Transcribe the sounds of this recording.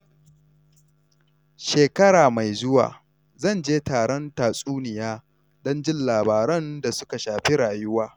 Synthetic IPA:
ʃeː˨kɐ˦ɽaː˨ma˨jzʊ˦wa̰ː˨ | zɐ˦˨nd͡ʒeː˦taː˨ɽɔ˦ntaː˨sʼuː˦nɪ˨jaː˦ | dɔ˦nd͡ʒɪ˦nlaː˨baː˨ɾɔ˦nda˨sʊ˦ka˨ʃaː˨ɸi˦ɽaː˨jʊ˦waː˦

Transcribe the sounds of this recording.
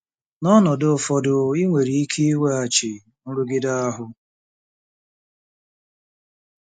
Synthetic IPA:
nɔ˦nɔ˨dʊ˨fɔ˨dʊ˨i˦ŋʷe˨ɾi˨i˦kʰe˦i˦we˦a˨t͡ʃɪ˨ | n̩˦ɾu˦ɡɪ˦da˦a˦ɦʊ˦

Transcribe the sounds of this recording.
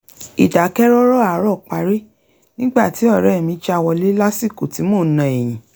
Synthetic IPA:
i˨da˨˦kɛ˦ɾɔ˦ɾɔ˦a˨˦ɾɔ˦˨k͡pa˨˦ɾe˦ | nĩ˦ɡ͡ba˦˨ti˨˦ɔ˦˨ɾɛ˨˦˨mĩ˨˦t͡ʃɛ˧˦a˧wɔ˧le˦la˦si˦˨ko˨ti˨˦mo˦˨˦nã˨ɛ˨j̃ĩ˨

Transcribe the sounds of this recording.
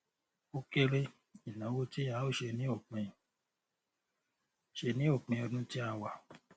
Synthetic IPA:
o˦ke˦ɾe˦ | i˨nã˨˦wo˦ti˦a˨˦o˦˨ʃe˧nĩ˦o˦˨k͡pɛ̃˧ | ʃe˧nĩ˨˦o˦˨k͡pɛ̃˧ɔ˧dũ˦ti˦a˧wa˨

